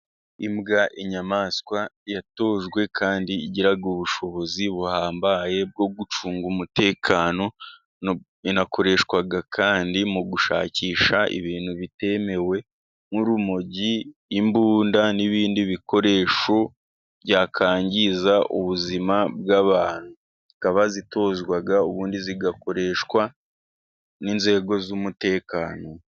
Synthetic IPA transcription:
imɡaʔiɲamaskwajato̞ʒɡwe̞kʰaːndiːɟiɾaɡuβuʃo̞βo̞ziβuhaːmbaje̞b̚ɡo̞ɡut͡ʃuːŋɡumute̞ːkʰano̞ | inako̞ɾe̞ʃkwaɡakʰaːndimuɡuʃa̰ːciːʃaʔḭβiːn̥huβite̞me̞we̞ | muɾumo̞ɟiːmbuːndaniβiːndiβiko̞ɾe̞ːʃo | bɟaːkʰaːɲɟizaʔuβuzimabɡaβaːn̥hu | ikaβazito̞ːzɡwaɡauβuːndiziɡako̞ɾe̞ʃkwa | ninze̞ɡo̞zumute̞ːkaːno̞

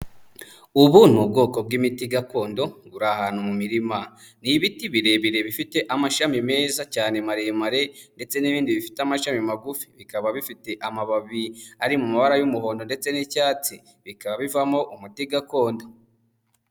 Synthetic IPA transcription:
uβun̥ubɡo̞ko̞b̚ɡimitiɡako̞ːndo̞ɡuɾahaːn̥humumiɾima | niβitiβiɾe̞βiɾe̞βifite̞ʔamaʃamime̞ːzacaːne̞maɾe̞maɾe̞nde̞t͡se̞niβiːndiβifi̥teamaʃamimaɡufi̥βikaβaβifite̞ʔamaβaβiaɾimumaβaɾajumuho̞ːndo̞nde̞t͡se̞nicaːt͡si | βikaβaβivamo̞ʔumutiɡako̞ːndo̞

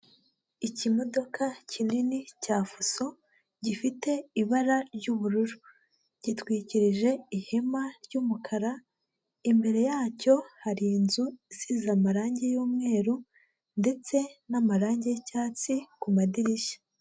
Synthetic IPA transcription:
icimo̞do̞kʰacʰininicaːfuso̞ | ɟifite̞iβaɾaɾɟuβuɾuɾu | ɟ̥itwiːciɾiʒe̞ihe̞maɾɟuːmukʰaɾa | imbe̞ɾe̞jaːco̞haɾiːnzuizizamaɾaːɲɟe̞juːmŋe̞ːɾu | nde̞t͡se̞namaɾaːɲɟe̞caːt͡sikumadiɾiʃḁ

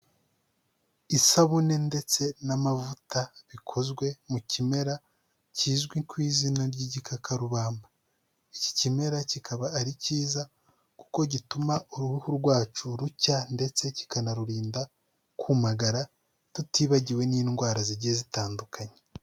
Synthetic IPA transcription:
isaβune̞nde̞t͡se̞namavutaβikʰo̞zɡwe̞mucime̞ɾa | ciːzɡwikwiːzinaɾɟiɟikʰakʰaɾuβaːmba | ici̥cime̞ɾacikʰaβaːɾiciːza | ku̥ko̞ɟitumauɾuɾuhuɾɡwaːt͡ʃuɾucande̞t͡se̞ci̥kanaɾuɾiːnda | kumaɡaɾa | tutiːβaɟiwe̞niːnɡwaːɾaziɾɟiezitaːndukʰaɲe

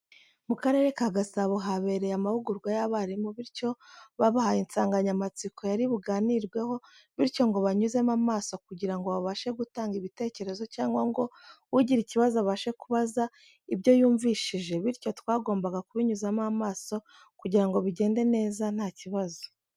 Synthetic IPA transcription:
mukaɾe̞ɾe̞kaɡasaβoɦaβe̞ɾe̞jamaβuɡuɾɡwajaβaɾimoβiɾco̞βaβahaint͡saːŋɡaɲamat͡sikʰo̞jaɾiβuɡaːniɾɡwe̞ho̞ | βiɾco̞ŋɡo̞βaɲuze̞mamaːso̞kuɟiɾaŋɡo̞βaβaʃe̞ɡutaːŋɡiβite̞ːce̞ɾe̞zo̞caːŋɡwaŋɡo̞wuɟiɾiciβazoaβaʃe̞kuβaza | ibɟo̞juːɱviʃiʒe̞βiɾco̞twaːɡo̞ːmbaɡakuβiɲuzamamaːso̞ | kuɟiɾaŋɡo̞βiɟe̞ːnde̞ne̞ːzan̥haːciβazo̥

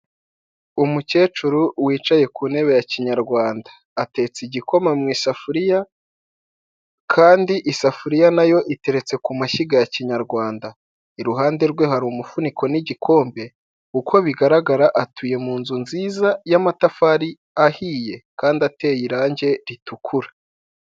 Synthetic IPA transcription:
umuce̞ːt͡ʃuɾuwiːt͡ʃaje̞kuːne̞βe̞jaciɲaɾɡwaːndḁːte̞ːt͡siɟiko̞mamŋiːsafuɾija | kʰaːndiʔisafuɾijanajo̞ʔite̞ɾe̞t͡se̞kumaʃiɡajaciɲaɾɡwaːnda | iɾuɦaːnde̞ɾɡwe̞ɦaɾuːmufunikʰo̞niɟikʰo̞ːmbe̞ | kukʰo̞βiɡaɾaɡaɾaʔatuje̞muːnzunziːzajamatafaɾi | ahiːje̞kaːndate̞jiɾaːɲɟe̞ɾitukʰuɾḁ

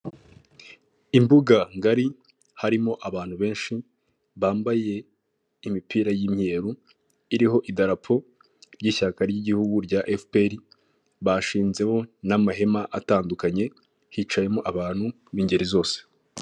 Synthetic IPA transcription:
imbuɡaŋɡaɾi | haɾimo̞ʔaβaːn̥huβe̞ːnʃi | βaːmbaje̞ | imipiːɾajimɲe̞ːɾu | iɾiɦo̞ʔidaɾapʰo̞ | ɾɟiʃakaɾɟiɟihuɡuɾɟaʔefpeɾi | βaʃiːnze̞ho̞namaɦe̞maʔataːndukaɲe̞ | hit͡ʃaje̞moʔaβaːn̥hu | βiːɲɟe̞ɾizo̞ːse̥

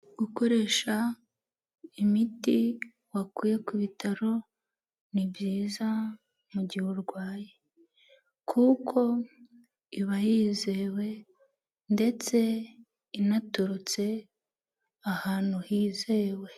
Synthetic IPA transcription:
ɡ̥uko̞ɾe̞ːʃa | imiti | wakuːje̞kuβitʰaɾo̞ | nibjiːza | muɟiuɾɡwaːje | kʰukʰo̞ | iβajiːzewe̞ | nde̞t͡se̞ | inatuɾut͡se̞ | ahaːn̥huhiːzewe̞

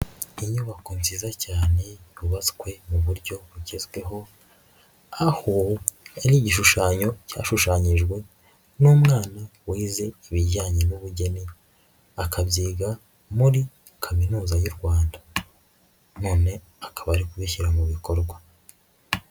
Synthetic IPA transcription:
iɲuβakonzizacaːne̞βuβaskwe̞muβuɾɟo̞βuɟezɡwe̞ɦo̞ | ahoaɾiːɟiʃuʃaːɲo̞ca̰ːʃuʃaːɲiʒɡwe̞ | nuːmŋaːnawiːze̞iβiɟaːɲenuβuɟe̞ni | akʰabɟiːɡa | muɾi | kʰaminuːzajuɾɡwaːnda | noːne̞ | akaβaɾikuβiçiɾamuβiko̞ɾɡwa

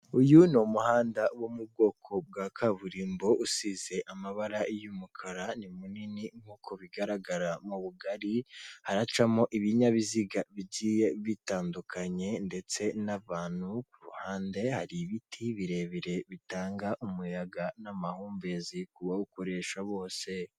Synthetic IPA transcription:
ujunomuhaːndawomub̚ɡo̞ːkʰo̞b̚ɡakʰaβuɾiːmbo̞ʔusize̞ʔamaβaɾaijumukʰaɾanimuniniŋ̥ukʰoβiɡaɾaɡaɾamuβuɡaɾihaɾat͡ʃamo̞ʔiβiɲaβiziɡaβiɟiːje̞βitaːndukʰaɲe̞nde̞t͡se̞naβaːn̥hukuɾuhaːnde̞haɾiβitʰiβiɾe̞ːβiɾe̞βitaːŋɡaʔumujaɡanamahuːmbe̞zikuβaukoɾe̞ʃaβo̞ːse̞

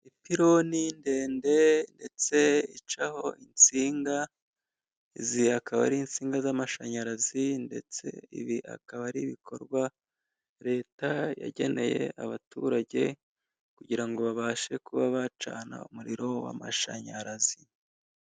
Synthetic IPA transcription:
ipiɾo̞ninde̞ːnde̞nde̞t͡se̞it͡ʃaho̞ʔint͡siːŋɡa | iziakaβa̰ɾiːnt͡siːŋɡazamaʃaɲaɾazinde̞̰t͡se̞̰ḭβiʔa̰kaβaɾiβikʰo̞̰ɾɡwa | ɾe̞ːtaja̰ɟe̞ne̞je̞̰ʔaβatuɾaɟe̞ | kuɟiɾaŋɡo̞βaβaːʃe̞kuβaβat͡ʃa̰na̰umuɾiɾo̞wa̰ma̰ʃa̰ɲaɾazi

